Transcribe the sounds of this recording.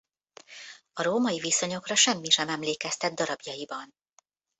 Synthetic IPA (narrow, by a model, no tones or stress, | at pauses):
ɒɾoːmɒjiviso̞ɲo̞krɒʃɛmːiʃɛmɛmleːkɛst̪ɛd̪̚d̪ɒɾɒbjɒjibɒn